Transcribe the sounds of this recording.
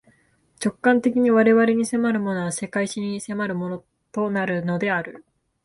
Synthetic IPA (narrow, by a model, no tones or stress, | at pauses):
t͡ɕo̞kːãnt̪e̞k̬ʲiɲ̟iβaɾe̞βaɾe̞ɲ̟ise̞maɾɯ̟mo̞no̞βase̞kaiɕiɲ̟ise̞maɾɯ̟mo̞no̞ | t̪o̞naɾɯ̟no̞d̪e̞aɾɯ̟